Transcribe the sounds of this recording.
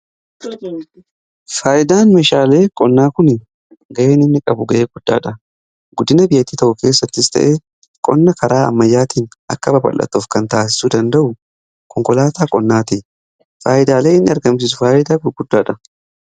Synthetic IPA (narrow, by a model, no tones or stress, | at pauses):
faːʔɪd̪aːnmeːʃaːle̞ːkʼɔnːaːkʊn | ɡɐʔe̞ːnɪnːɪkʼɐbʊɡɐʔeːɡʊd̪̥ːa̰ːᶑɐ | ɡʊd̪ːɪnɐbɪjːɐt̪ːiːt̪ɐʔʊke̞ːsːɐt̪ːɪst̪ɐ̰ʔe | kʼɔ̰nːɐkɐɾaːɐ̰mːɐjːaːt̪iːnɐ̰kːɐbɐbɐ̰lʔɐ̰t̪ːoːfkɐnt̪aːs̬ɪ̥sud̪ɐnd̪ɐʔʊ | kɔŋkɔlaːt̪aːkʼɔnːaːt̪i | faːjɪd̪aːle̞ːɪnːɪɐɾɡɐms̬ɪsʊfaːʔɪd̪aːkʊɡʊd̪ːaːᶑɐ